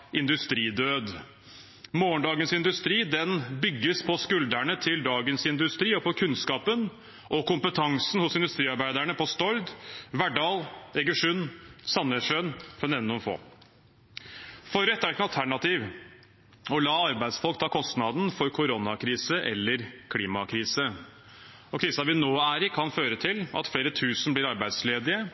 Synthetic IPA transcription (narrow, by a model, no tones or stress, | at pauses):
ɪnd̪ʉst̪ɾiːd̪øːd̪ | moːɳɖ̪ɑːɡənsɪnd̪ʉst̪ɾiːd̪ɛnbʏɡːəspʰɔskʉld̪æɳət̪ʰɪld̪ɑːɡənsɪnd̪ʉst̪ɾiːɔpɔkʰʉnskɑːpən | ʔɔkʊmpət̪ʰɑŋsn̩hʊsɪnd̪ʉst̪ɾiːɑɾbæɪd̪æɳəpʰɔst̪ɔɾd̪ʋæɖɑːlɛɡəʂʉnsɑnːəʂønfɔnɛnʊnfo̰ː | fɔɾɛt̪ːæɾkʰnɑlt̪ʰæɳɑt̪iːʋ | ɔlɑːɑɾbæɪd̪sfɔlkt̪ʰɑːkʰɔst̪nɑd̪nfɔɾkʰʊɾɔnɑkʰɾiːsəʔɛ̰lːəɾkʰliːmɑkʰɾiːsə | ɔkʰɾiːsɑʋɪnoːæːɾɪkʰɑnføːɾət̪ʰɪlɑ̰t̪fleːɾət̪ʰʉːsn̩blɪːɾɑɾbæɪd̪sleːd̪ɪə